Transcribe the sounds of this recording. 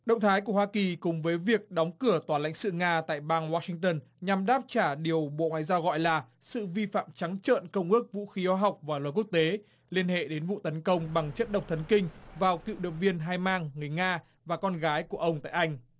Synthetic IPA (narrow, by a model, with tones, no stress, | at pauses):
ɗə̰˧˨wŋ͡mt̪ʰaː˨˦jk̬u˧˩əwaː˧ki˨˩kʊ˨˩ŋ͡mvəː˨˦jvi˨˩ək̚ɗɔ˨˦wŋ͡mkɨ˧˩ət̪waː˨˩la̰˧˥ŋsɨ̰˧˨ŋaː˧t̪a̰ː˧˨jɓaː˧ŋwaː˧˥sï˧ŋt̪əː˧nɲa˨˩mɗaː˦˥p̚t͡ɕaː˧˩ɗi˨˩əwɓo̰˧˨ŋwa̰ː˧˨jzaː˧wɣɔ̰˧˨jlaː˨˩ | sɨ̰˧˨vi˧fa̰ː˧˨mt͡ɕa˨˦ŋt͡ɕə̰ː˧˨nkə˧wŋ͡mʔɨ˦˥ək̚vṵ˧˥xi˨˦haː˧˦ɦa˨˩wk͡p̚vaː˨˩laː˨˩ku˦˥ək̚t̪e˨˦ | li˧ənhḛ˧˨ɗe˨˦nvṵ˧˨t̪ə˨˦nkə˧wŋ͡mɓa˨˩ŋt͡ɕə˦˥t̚ɗə˨˩wk͡p̚t̪ʰə˨˦nkï˧ŋ̟vaː˨˩wkḭ˧˨wɗə̰˧˨vi˧ənɦaː˧jmaː˧ŋːɨ˨˩əjŋaː˧ | vaː˨˩kɔ˧nɣaː˨˦jku˧˩əʔə˧wŋ͡mt̪a̰ː˧˨jʔa˧jŋ̟